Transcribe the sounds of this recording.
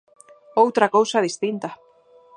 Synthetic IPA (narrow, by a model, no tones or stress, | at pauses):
owt̪ɾakowsaðist̪int̪a